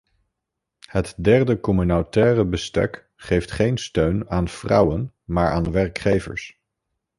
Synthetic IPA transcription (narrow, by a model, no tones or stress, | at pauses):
hətdɛɹdəkɔmynotɛːrəbəstɛ̰k | χejftχejnstøɥnaːnv̥rɑ̰wən | maːɹʔaːnʋɛrkχejvə̰ɹs